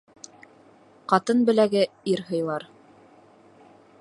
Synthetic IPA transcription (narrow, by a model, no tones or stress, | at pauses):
qɑt̪ɤnbɘ̆læɡɘiɾɦɤ̆jlˠɑɾ